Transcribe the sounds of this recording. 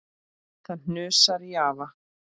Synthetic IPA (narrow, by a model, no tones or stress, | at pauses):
θaðn̥nʏːsaɾjaːva